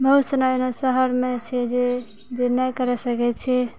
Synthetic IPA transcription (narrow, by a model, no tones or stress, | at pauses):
bəɦut̪sənanosəɦəɾmet͡ʃʰɛd͡ʒe | d͡ʒenɛjkəɾɛsəkɛt̪t͡ʃʰɛ